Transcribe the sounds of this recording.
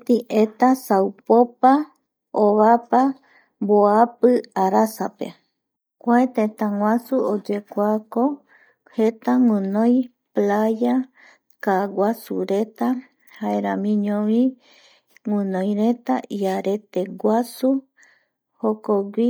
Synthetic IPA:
t̪iʔet̪asawpopa | oβapa | mboapɨaɾasapḛ | kʷaet̪ẽt̪ãŋʷasuod͡ʒekʷako | he̞t̪aŋũnõj̃ | plaja | kaɡʷasṵɾe̞t̪a | haeɾãmĩɲõʋĩ | ŋũnõjɾe̞t̪aʔiaɾe̞t̪e̞ɡʷasu | hokoɡi

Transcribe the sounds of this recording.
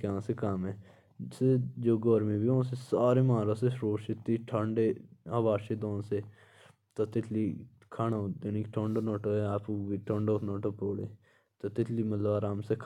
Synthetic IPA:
kãːsekamɛː | sed͡ʒoːɡɔːɾmĩːbiːõːsesaːɾemaːɾaːseʃɾoːʃɪt̪ːiːʈʰãɳɖeːaːʋaːʃed̪õːnseː | t̪at̪ɪt̪ʰliː | kʰaːnad̪eːniːkʈʰõːɳɖoːnɔːʈoːɛaːpuʋiʈʰõːɳɖoːnɔːʈopoːɽḛː | t̪at̪ɪt̪ʰliːmət̪ləbaːɾaːmsekʰ

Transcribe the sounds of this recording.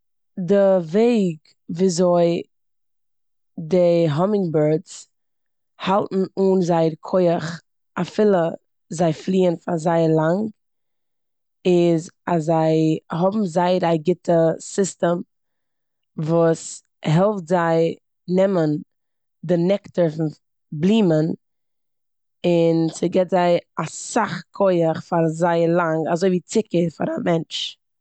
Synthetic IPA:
dɪveɪɡ | viːzoɪ | dɪɦɔmɪŋbəɾdt͡s | halˠtn̩uːnzaɪəɾkʰɔɪəχ | afɪlˠə | zaɪflˠiːənfazaɪəɾlˠaŋ | ɪzasːaɪɦɔbm̩zaɪəɾaɡɪtʰəsɪstəm | vuːs | ɦɛlˠftzaɪ | nɛmən | dɪnɛktəɾfʊn | blˠiːmən | ɪnsɪɡɛtzaɪasaχkʰɔɪəχfaɾzaɪəɾlˠaŋazoɪviːt͡sɪkəɾfaɾamɛnt͡ʃ

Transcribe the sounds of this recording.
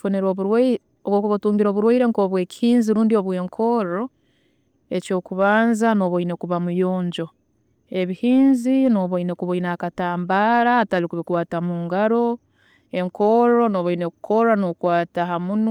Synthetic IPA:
foneɾoβu | okokokatuːŋɡiɾo̞ːβuɾweiɾeŋkoːβwe̞ːci̥hiːnziɾuːndioβwe̞ːŋkʰo̞ɾo | eco̞ːkuβaːnzanoβoinekuβamujo̞ːɲɟo̞ | e̞βihiːnzino̞ːβoinekuβoinakataːmbaɾaːtalikuβekwaːtamuːŋɡaɾo̞ | e̞ŋkoɾo̞noβoinekukʰoɾanokwaːtaɦamun

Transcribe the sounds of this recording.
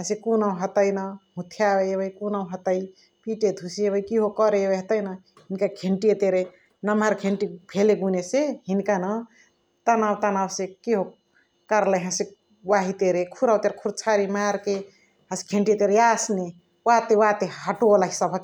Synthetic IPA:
ɦə̃sekunaw̃ɦət̪əjnəɦũt̪ʰjawebəjkunaw̃ɦət̪əj | piʈed̪ʱusiebəjkiɦokəɾebeɦət̪əjna | ɦinkakʰeɳʈiet̪eɾe | nəmaɾkʰeɳʈipʰeleɡuneseɦinkanə | t̪anawt̪anawsekiɦo | kəɾlaɦãse | waɦit̪eɾekʰuɾawt̪eɾekʰuɾt͡ʃʰaɾimaɾke | ɦə̃se̥kʰeɳʈit̪eɾeasne | wat̪ewat̪eɦəʈolaɦisəbʱək

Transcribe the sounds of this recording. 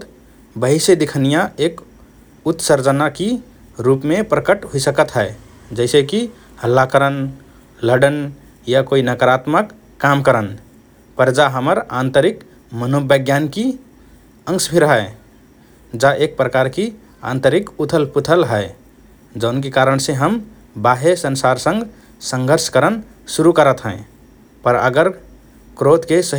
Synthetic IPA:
t̪ | bəɦised̪ikʰənijaek | ut̪səɾd͡ʒənaki | ɾupmepɾəkəʈɦoisəkət̪ɦəe | d͡ʒəɪseki | həlːakəɾən | ləɖən | jakoinəkəɾat̪məkː | amkəɾən | pəɾd͡ʒaɦəməɾãnt̪əɾik | mənobəɡjanki | ə̃ŋsbʱiɾəɦəe | d͡ʒaʔek̚pɾəkaɾki | ã̰nt̪əɾikut̪ʰəlput̪ʰəlɦəe | d͡ʒəʊnkekaɾəɳseɦəm | baɦesənsaɾsə̃ŋɡ | sə̃ŋɡʱəɾskəɾən | suɾukəɾət̪ɦɛ̰̃ | pəɾə̰ɡəɾ | kɾot̪kesə

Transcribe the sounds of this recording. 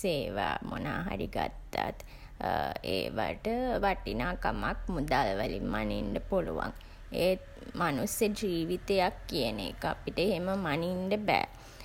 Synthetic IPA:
seːʋaːmʔonaːɦa̰ɾiɡat̪ːat̪ | ḛːʋaʈəʋaʈinaːkamak̚mud̪alʋəlimːaniɳɖəpoluʋa̰ŋ | eː | manusjəd͡ʒiːʋit̪ejakːijənḛkəapiʈəeɦeməmaniɳɖəbɛː

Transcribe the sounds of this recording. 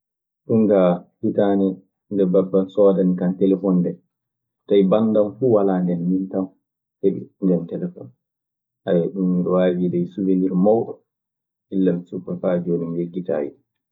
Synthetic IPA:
ɗuŋɡahitaːni | ndɛbabːasɔdanikantɛlɛfɔndɛ | tajbanːdanfuːwalaːndɛnmintan | heɓḭndɛntɛlɛfɔ̰n | ʔajɛɗunwaːwiːdɛjsuveniɾmawɗɔ | ʔilːamɛsukːafad͡ʒonimjeɡːita̰ːjḭ

